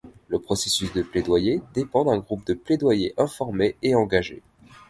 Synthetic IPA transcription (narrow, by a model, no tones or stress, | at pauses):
ləpχɔsesysd̪əpled̪wajed̪epɑ̃d̪ɛ̃ɡʁup̚d̪əpled̪wajeʔɛ̃fɔʁmeeɑ̃ɡaʒḛ